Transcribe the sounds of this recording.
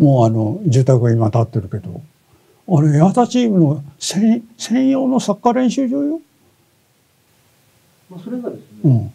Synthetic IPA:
mo̞ːano̞d͡ʑɨːt̪akɯ̟ɡaimat̪at̪ːe̞ɾɯ̟ke̞d̪o̞̰ | aɾe̞at̪at͡ɕiːmɯ̟no̞sẽsẽ̞ɰ̃jo̞ːno̞sakːaɾẽ̞ɰ̃ɕɨːd͡ʑoːjo | oɾɡad̪esnɯ̃ː

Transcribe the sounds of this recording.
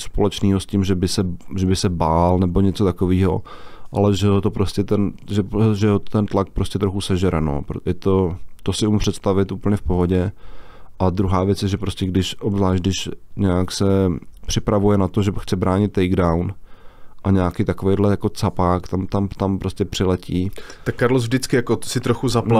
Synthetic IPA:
spolɛt͡ʃniːɦoscɪmʒɛbɪsɛʒɛbɪsɛbaːlnɛbo̞ɲɛt͡sot̪akoviːɦo̞̰ʔa̰lɛʒɛɦot̪opɾoscɛt̪ɛnʒɛʒɛɦot̪ɛnt̪lak̚pɾoscɛt̪ɾoxusɛʒɛɾɛno̰ːɾjɛt̪ot̪osɪʔumɪmpr̝̥ɛt̪st̪avɪt̪ʔuːpl̩ɲɛfpo̞ɦoɟɛ | ʔad̪ɾuɦaːvjɛt͡sjɛʒɛpɾoscɛɡdɪʃʔobzlaːʃ̚dɪʃɲɛaksɛpr̝̥ɪpɾavujɛnat̪oʒɛxt͡sɛbɾaːɲɪt̪ːɛjɡdawnʔaɲɛakejt̪akovejdlɛjako̞t͡sapaːkt̪amt̪amt̪ampɾoscʲɛpr̥ɪlɛciːt̪akːaɾlosvdɪt͡skɪjakosɪt̪ɾoxuzapla

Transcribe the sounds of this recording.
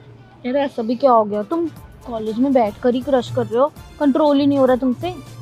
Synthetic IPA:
kɛːɾɛːsabʱikjaɦoːɡejat̪ʊmkɔːleːd͡ʒmẽbɛːʈʰkɐɾikɾɐʃkɐɾːeɦoːkɐ̃ɳʈɾoːlinɐ̃ɦĩɦoːɾaet̪ʊmse

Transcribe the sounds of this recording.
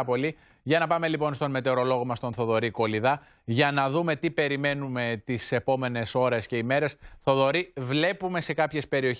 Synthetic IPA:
po̞li | ʝɐnɐpɐme̞lipo̞nst̪o̞nme̞t̪e̞ɾo̞lo̞ɣomɐst̪o̞nθo̞ðo̞ɾiko̞liðɐ | ʝɐnɐðume̞t̪ipe̞ɾime̞nume̞t̪ise̞po̞me̞ne̞so̞ɾe̞sce̞ime̞ɾe̞sθo̞ðo̞ɾivle̞pume̞se̞kɐpçe̞spe̞ɾio̞ç

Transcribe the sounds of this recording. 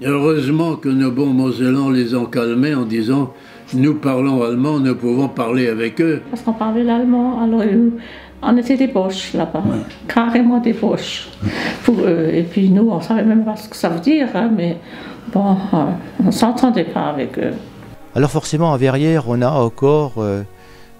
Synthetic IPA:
øʁøzmɑ̃kənobɔ̃mɔzelɑ̃lezɑ̃kalmeɑ̃d̪izɑ̃ | nupaʁlɔ̃almɑ̃nəpuvɔ̃paʁleavɛkøpaʁskɔ̃paʁlɛlalmɑ̃alɔʁɛu | ɔ̃net̪ɛd̪ebɔʃlaba | kʰaʁemɑ̃d̪ebɔʃ | puʁøepɥinuɔ̃savɛmɛmpasə̥kə̥savød̪iːʁɛ̃mɛ | bɔ̃ | ɔ̃sɑ̃t̪ʰɑ̃d̪ɛpʰa̰ːvɛkø̰ | alɔʁfɔʁsemɑ̃ɑvɛʁjɛʁɔ̃naɑ̃kɔʁø

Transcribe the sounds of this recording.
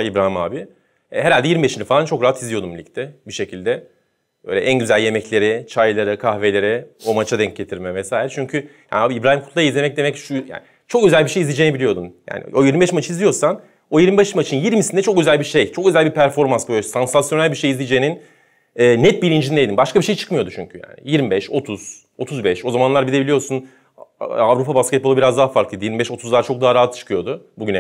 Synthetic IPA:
ibɾaːhimaːbi | ɛɦeɾalʲd̪ɛjiɾmibeʃind̪ɛfalˠant͡ʃʰo̞kɾaɦat̪ʰizlʲijo̞d̪umbilʲic̚t̪ʰɛbiʃe̞cʰilʲd̪ɛ | bø̰jlʲɛʔænɟyzælʲje̞mɛclʲe̞ɾɪt͡ʃʰajlˠaɾakʰaxvelʲe̞ɾɛo̞mat͡ʃʰad̪ɛɲc̚ɟe̞t̪ʰiɾmɛvɛsaːjiɾt͡ʃʰyɲcʰyja̰ːnaːbiibɾaːhimkʰut̪lˠajizlʲe̞mɛc̚d̪e̞mɛcʃuja̰ːnɪ | t͡ʃʰo̞kø̞zælʲbiʃejizlʲid͡ʒeːnibiijo̞d̪unja̰ːnḭo̞jiɾmibɛʃmat͡ʃʰizlʲijo̞ɾsan | o̞jiɾmibɛʃmat͡ʃʰɯnjiɾmisind̪ɛt͡ʃʰo̞kø̞zælʲbiʃejt͡ʃʰo̞kø̞zælʲbipʰæɾfo̞ɾmansbujʲɛsansasjonælʲbiʃejizlʲid͡ʒeːinin | ɛːnɛt̪̚biɾind͡ʒind̪ejd̪inbaʃkabiʃejt͡ʃʰɯ̥kmɯjo̞d̪ut͡ʃʰyɲcʰyja̰ːnɪ̰jiɾmibɛʃo̞t̪ʰuz̥ | o̞t̪ʰuzbɛʃo̞zamanlˠaɾbid̪ʲe̞bilʲijo̞ɾsun | avɾupʰabaskʲɛt̪̚boubiɾazd̪aɦafaɾklˠɯd̪ijiɾmibɛʃo̞t̪ʰuzlˠaɾt͡ʃʰo̞k̪̚aɦaɾaɦat̪ːt͡ʃɯ̥kʰɯjo̞d̪ʊbuɟynɛ

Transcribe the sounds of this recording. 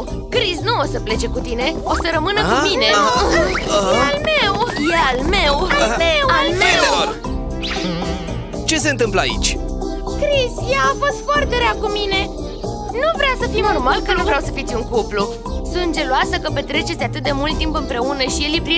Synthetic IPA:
kɾisnuo̞səple̞t͡ʃe̞kut̪ine̞o̞səɾəmɨnəumine̞ | almewjalme̞wamewalme | t͡ʃe̞se̞nt̪ɨmpləa̰ḭt͡ʃʲ | kɾisjaːfo̞st̪foart̪e̞ɾeakumine̞ | nuvɾeawsəfimnomalkənuvɾawsəfit̪sʲuŋkuplu | sunt̪d͡ʒe̞luasəkəpe̞t̪ɾe̞t͡ʃe̞sʲat̪ɨt̪̚d̪e̞mult̪ːimpɨmpɾe̞unəʃijelipɾi

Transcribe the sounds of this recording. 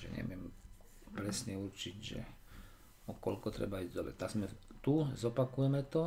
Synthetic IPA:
ʒɛ̰ɲɛ̰ʋɪɛm | pɾɛsɲɛuɾt͡ʃiɟʒɛ̰ | ɔkɔlkɔt̪ɾɛ̰baizd̪ɔbɛt̪aɡzmɛt̪uzɔpakujɛmɛt̪ɔ

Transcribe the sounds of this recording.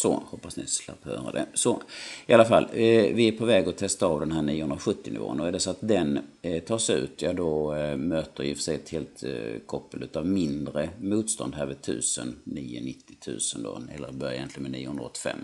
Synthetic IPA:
sɔ̰hɔpːasnɪsla̰phœ̰ːɾa̰d̪ɛ̰sɔɪalːafa̰lːvɪæpʰɔvɛːɡɔt̪ʰɛst̪aɾɑvd̪ɛnɦæːɳiːəhɵnɾaɧɵt̪ːɪnɪ̰vo̰ːnɔæɖɛsɔat̪̚d̪ɛnt̪ʰɑːʂʉ̟̰ːt̪jɑːd̪ɔmøːt̪əɾjɪfə̥sɛt̪heːlt̪kʰɔpːəlʉ̟ːt̪avmɪnd̪ɾəmuːt̪st̪ʰɔ̰nd̪ɦæːɾvɪd̪t̪ʰʉ̟̰ːsənniːʊ̰nɪt̪ːɪ̥t̪ʰʉ̟̰ːsənd̪ɔ̰ɛlːəɾbœɾjaɪjɛnt̪ɪɡənmɛniːʊhɵnɾaɔ̰t̪ːɪ̥fɛ̰mː

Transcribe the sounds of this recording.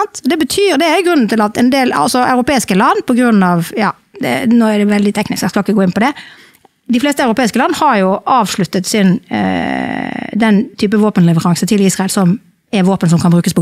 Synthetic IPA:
nt̪d̪ɛbət̪ʰyːɾd̪ɛæɾjʊɡʁʉnːn̩t̪ɪlɑt̪ɛnd̪eːlɑ̰lsɔʔɑ̰ʉɾʊpeːɪskəlɑnːpʰɔɡɾʉnːɑʋjɑ̰ː | d̪ɛ̰noːæd̪ɛʋɛld̪ɪt̪ʰɛknɪsk̪æskɑlɪkəɡoːɪnpɔd̪ɛ | d̪ɪfleːst̪əɑʉɾʊpʰeːɪskəlɑnːəhɑʁjʊʔɑːʋʂɭʉt̪ːət̪sɪn | d̪ɛnt̪ʰyːp̬əʋoːpənlɛʋəʁɑŋsət̪ʰɪliːsʁɑɛlsɔm | ɛʋoːpəns̬ɔmkʰɑnbɾʉːkəspʰɔ

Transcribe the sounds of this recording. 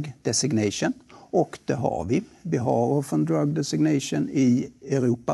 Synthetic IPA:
ɡd̪̥ɛsɪɡnɛʂənɔkd̪̥ɛɦa̰vɪvɪɦaɾɔfənd̪ɾaɡ̚d̪ɛsɪɡnɛɪʂənɪɛɾuːpa

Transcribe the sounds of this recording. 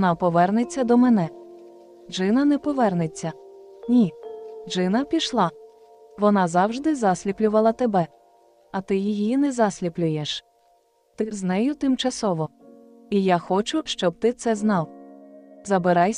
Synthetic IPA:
nɑpɔʋɛrnet͡sʲːɐd̪ɔmɛnɛ | ʒɪnɐnɛpɔʋɛrnet͡sʲːɐnʲiʒɪnɐpʲiʃlˠɑ | ʋɔnɑzɑwʒd̪ɪzɑsʲlʲiplʲʊʋɐlˠɐt̪ebɛ | ɐt̪ɪjijinɛzɑsʲlʲiplʲʊjeʃ | t̪ɪznɛjʊt̪ɪmt͡ʃɐsɔʋɔ | ijaxɔt͡ʃʊʃt͡ʃɔb̚t̪ɪt̪sɛznɑw | zɐbɪɾɑjʲ

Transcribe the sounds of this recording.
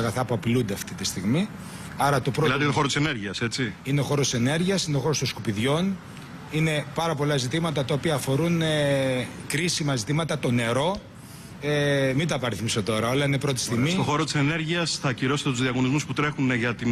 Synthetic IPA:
ɐɣɐθɐpuɐpilund̪eɐft̪it̪ist̪iɣmi | ɐɾɐt̪opɾolɐt̪et̪oo̞ɾot̪isene̞ɾʝiɐse̞t͡siineoxo̞ɾot̪isene̞ɾʝiɐsineoxo̞ɾost̪oskupiðʝo̞n | ine̞pɐɾɐpo̞lɐzit̪imɐt̪ɐt̪ɐopiɐːfo̞ɾunekɾisimɐzit̪imɐt̪ɐt̪o̞ne̞ɾo̞ | emid̪ɐːpɐɾiθmiso̞t̪o̞ɾɐolɐinepɾot̪i̥st̪iɣmist̪oxo̞ɾot̪i̥sene̞ɾʝiɐsθɐciɾo̞set̪et̪uzðiɐɣo̞nizmusput̪ɾe̞xunʝɐt̪i

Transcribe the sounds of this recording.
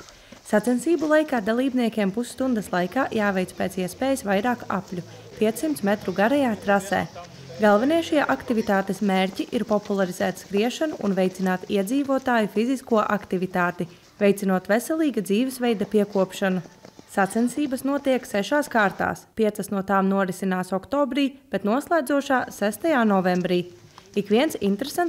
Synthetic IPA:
sat̪ɛnsiːbulˠajkaːd̪alˠiːbniɛkʲeɛmpusst̪und̪ɐslˠajkaːjaːvɛjt̪speːt̪siɛspɛːjisʋajɾaːka̰plʲu | piɛt̪ssimt̪smɛt̪ɾuɡaɾɛjaːt̪ɾasɛ̰ː | ɡalˠvɛniɛʃiɛʔakt̪ivit̪aːt̪esmeːɾʲcʲiʔiɾpɔpulˠaɾizæːt̪skɾiɛʃanuʔṵnvɛjt̪sinaːt̪iɛd̪ziːvuɔt̪aːjufiziskuɔʔakt̪ivit̪aːt̪i | vɛjt̪inuɔt̪vesɛlˠiːɡad̪ziːvɛsvɛjd̪apiɛkuɔpʃanusat̪sɛnsiːbɐsnuɔt̪iɛksɛʃaːskaːɾt̪a̰ːspʲiɛt̪sɐsnuɔt̪aːmnuɔɾisinaːsɔkt̪ɔːbɾiːb̥et̪nuɔslˠæːd̪zuɔʃaːsæst̪ajaːnɔvɛmbɾiːikʋiɛnsḭnt̪ɾesan

